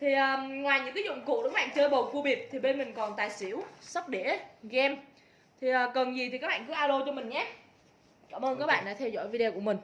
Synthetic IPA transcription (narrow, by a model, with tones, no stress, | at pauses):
t̪ʰi˨˩ʔəː˨˩ŋwaː˨˩jɲɨ̰˧˥ŋkaː˨˦zʊ̰˧˨ŋ͡mkṵ˧˨ɗk̚ːɓa̰ː˧˨t͡ɕəː˧jɓo˨˩fu˧ɓi˨˩əp̚t̪ʰi˨˩ɓe˧nmï˨˩ŋ̟kɔ˨˩nt̪aː˨˩jsi˧˥əwsə˦˥p̚ɗe˧˥ɣɛ˧m | t̪ʰi˨˩ʔəː˨˩kə˨˩nzi˨˩t̪ʰi˨˩kaː˦˥k̚ɓaː˧˨kɨ˨˦ə˦ʔaː˧ɗo˧t͡ɕɔ˧mï˨˩ŋ̟ɲaː˨˦ | kaː˧˩mʔəː˧nkaː˦˥k̚ɓa̰˧˨nɗa̰ː˧˥t̪ʰɛ˧wzɔ̰˧˥jvi˧ɗe˧ku˧˩əmï˨˩ŋ̟